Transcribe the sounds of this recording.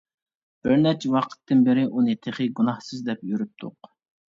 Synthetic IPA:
b̥ɪɾnɛt͡ʃʰɛwɑqʰə̥t̪ːɨnbɪɾɪʔunɨt̪ʰeχɨɡunɑhsɨzd̪ɛpjyɾyp̚t̪ʰʊq

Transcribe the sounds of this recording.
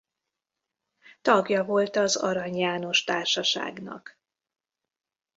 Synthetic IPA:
t̪ɒɡjɒvo̞lt̪ɒzɒ̰ɾɒɲjaːno̞ʃt̪aːrʃɒʃa̰ːɡnɒ̰k

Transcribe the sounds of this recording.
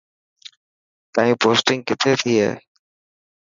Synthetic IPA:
t̪aːɦĩːpoːsʈɪ̃ŋɡ̚kɪt̪ʰet̪ʰiɦḛː

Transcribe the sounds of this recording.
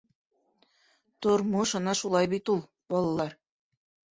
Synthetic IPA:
t̪ŏɾmoʃɤ̆nɑʃulˠɑjbit̪ulˠ | bɒlˠɑlˠɑɾ

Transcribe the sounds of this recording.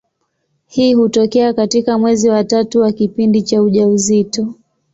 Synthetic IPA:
hiːhutɔkɛakatikamwɛziwatatuwakipindit͡ʃauʄauzitɔ

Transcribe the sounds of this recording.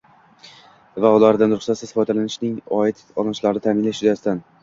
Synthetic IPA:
vaʊlaɾd̪anɾʊχsat̪sɪzfɒd̪alanɪʃnɪŋɒɪt̪ɒlʃlaɾnɪt̪ʰamɪnlaʃʊd̪asɪt̪an

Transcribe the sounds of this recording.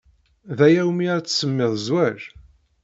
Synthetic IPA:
ðæjæwmiaɾt͡sːsəmːeðˤzwæɾ

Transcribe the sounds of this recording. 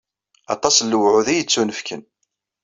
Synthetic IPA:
ɑ̰t̪ˤɑslːəwʕʊðijət͡sːunəfkən

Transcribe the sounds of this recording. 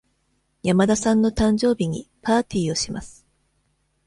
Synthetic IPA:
jamad̪asãnːo̞t̪ãɲ̟d͡ʑo̞ːbʲiɲ̟ḭpaːt̪ʲiːo̞ɕima̰sɨ̥

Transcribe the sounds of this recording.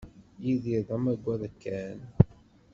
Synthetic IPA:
jiðiɾðˤəmæɡʷːæðˤəkːæn

